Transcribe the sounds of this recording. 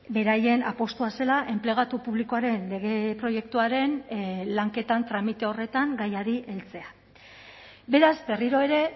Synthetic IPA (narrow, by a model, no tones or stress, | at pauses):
be̞ɾaje̞napo̞st̪uase̞laʔe̞mple̞ɣ̞at̪upuβliko̞aɾe̞nle̞ɣ̞e̞pɾo̞je̞k̚t̪uaɾe̞nlaŋke̞t̪ant̪ɾamit̪e̞o̞re̞t̪aŋɡajaɾiʔe̞lt͡se̞a | be̞ɾazbe̞riɾo̞e̞ɾe̞